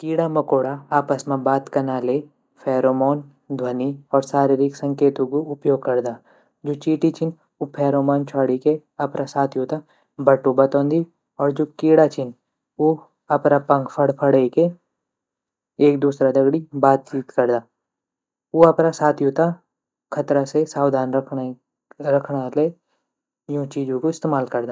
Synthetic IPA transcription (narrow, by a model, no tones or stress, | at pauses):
kiːɽamɐkoːɽaaːpəsmẽbaːt̪kɐnaːle | pʰɛːɾoːmɔːn | d̪ʱwɐniɔːɾsaːɾɪɾiksɐ̃ŋkeːt̪ũkoʊpjoːɡ̚kɐɾd̪aː | d͡ʒoːt͡ʃiːʈit͡ʃɪn | ʊpʰɛːɾoːmɔːnt͡ʃʰaːɽike | ɐpnasaːt̪ʰjoːt̪a | bɐʈːubɐt̪ɔ̃ːnd̪i | ɔːɾd͡ʒoːkiːɽat͡ʃʰɪn | oː | ɐpnapɐ̃ŋkpʰəɽpʰɐɽeke | eːk̚d̪uːsɾad̪ɐɡɽibaːt̪̚t͡ʃiːt̪kɐɾd̪aː | oɐpnasaːt̪ʰjoːt̪a | kʰɐt̪ɾasesaːwd̪ʱaːnɾkʰ | ɾɐkʰɽale | jõt͡ʃiːd͡ʒõkoɪst̪eːmaːlkɐɾd̪aː